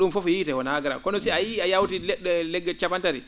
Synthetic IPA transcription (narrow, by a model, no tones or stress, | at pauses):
ɗumfɔfɔjitɛwɔnaɡɛɾa̰kɔnɔsiajiajawtilɛɗɛlɛɡːɛt͡ʃabantaɾḭ